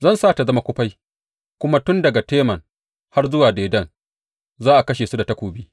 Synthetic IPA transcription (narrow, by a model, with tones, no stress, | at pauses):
zɐ˦nsaː˦˨ta˨zɐ˦ma˦kʷʊ˦ɸa˦j | kʷʊ˦ma˦tʊ˦ndɐ˨ɡa˨teː˦mɐ˨ŋ | ha˦rzʊ˦waː˨deː˨dɐ˦˨n | zaː˦ʔa˨kɐ˦ʃeː˨su˦da˨tɐ˦kʷoː˨bi˦